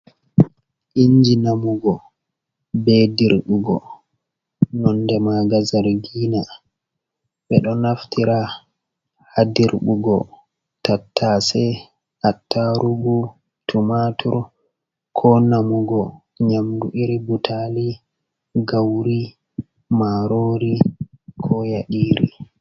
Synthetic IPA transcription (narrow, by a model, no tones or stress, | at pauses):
ʔiɲd͡ʒinamuɡɔ | bediɾɓuɡɔ̰ | nɔndɛmaɡazaɾɡiːna | ɓɛɗɔnaftiɾa | hadiɾɓuɡɔ̰ | tatʰːaːsɛ | ʔatːaɾuɡu | tʰumatʰuɾ | kʰɔnamuɡɔ | ɲamduʔiɾibutʰali | ɡawɾi | maɾoːɾikʰɔjaɗiːɾḭ